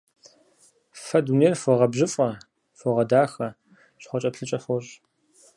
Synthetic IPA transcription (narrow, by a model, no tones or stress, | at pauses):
fɐduneːrfɔʁɐbʑɪfʼɐ | fɔʁɐdaːxɐ | ɕχʷɔt͡ʃʼɐpɬɨt͡ʃʼɐfɔɕʼ